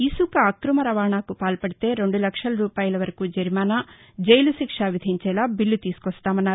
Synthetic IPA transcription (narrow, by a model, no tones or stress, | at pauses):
isukɐɐkɾumɐɾɐʋaːɳaːkupaːlpɐɽit̪e̞ːɾe̞ɳɖulɐkʂɐlɐɾuːpaːjɐlɐʋɐɾɐkuːd͡ʒɐɾmaːnaː | d͡ʒeɐjluʃikʂaːʋid̪ʱiɲt͡ʃɛːlaːbilːut̪iːsu̥kɔst̪aːmɐnːaːɾu